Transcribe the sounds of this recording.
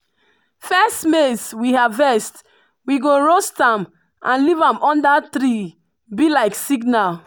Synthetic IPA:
fɛstmeswihavɛst | wiɡoɹostãm | ʔã̰nlivãmɔ̃ndat̪ɾi | bilaɪksiɡnal

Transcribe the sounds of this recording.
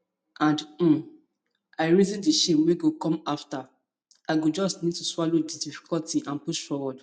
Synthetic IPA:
ʔãnd̩ | aɪɹizĩndiʃepweɡokɔ̃mafta | aɪɡod͡ʒɔstnid̚tuswɔlodidifi̥kɔltiʔãnpuʃfɔwɔd

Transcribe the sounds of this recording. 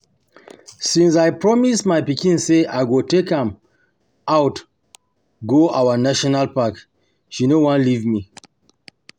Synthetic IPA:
sĩnsajpɹɔmismajpikĩnseʔaɪɡotekãm | awt | ɡoʔawənaʃɔnalpak | ʃinowãnlivmi

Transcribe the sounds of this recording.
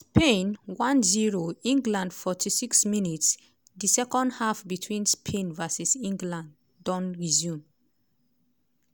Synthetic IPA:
spẽnwãnziɹoĩŋɡlãndfɔtʰisiksminits | disɛkɔ̃ndhafbitʰwĩnspʰẽnvasisĩŋɡlãnd | dɔ̃nɹizjũm

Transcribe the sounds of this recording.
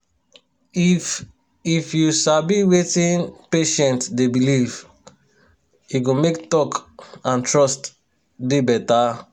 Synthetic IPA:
i | ifjusabiwetĩnpeʃɛ̃ntdebiliv | uɡomektɔkãntɹɔst | debɛta

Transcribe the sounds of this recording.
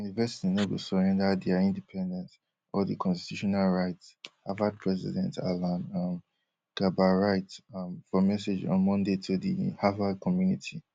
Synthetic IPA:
junivɛsi̥tinebusɔɹɛ̃ndadiaĩndipʰɛ̃ndɛ̃nt | ɔdikʰɔ̃nsti̥tjuʃɔnalɹaɪthavad̚pʰɹɛzḭdɛ̰̃nta̰lãnam | ɡ̥abaɹaɪtfɔmɛsed͡ʒɔ̰̃nmɔ̃ndetʰudḭhavad̚kʰɔmjunitʰi

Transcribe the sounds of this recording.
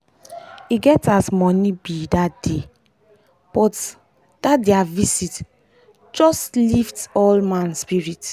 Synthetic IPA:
iɡɛtasmɔnibidatd̥e | b̥ɔt | d̥atdɛavisit | d͡ʒɔsliftɔlmãnspiɹit

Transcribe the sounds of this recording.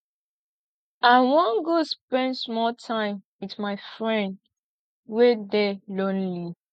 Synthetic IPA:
ãnwɔ̃nɡospɛ̃ndsmɔltʰãɪ̃mwitmaɪfɹɛ̃nd | wedɛlɔ̃nli

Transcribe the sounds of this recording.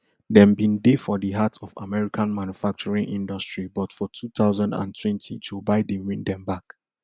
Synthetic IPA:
dɛ̃mbĩndefɔdiɦatɔfa̰mɛɹikʰãnmãnjufak̚t͡ʃɔɹĩŋʔĩndɔstɹibɔtfɔtʰut̪aʊzãndã̰ntʰwɛ̃ntʰitʰubaɪdĩwĩndɛ̃mbak

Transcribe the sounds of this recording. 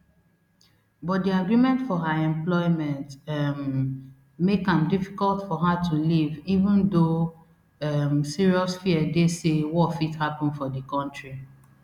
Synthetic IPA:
bɔt̚diaɡɹimɛ̃ntfɔɦaɛ̃mplɔɪmɛ̃ntm | mekãmdifi̥kɔltfɔɦatʰulivivũndo | ɛmsiɹiɔsfiɛdesewɔfithapɔ̃nfɔdikɔ̃ntɹi

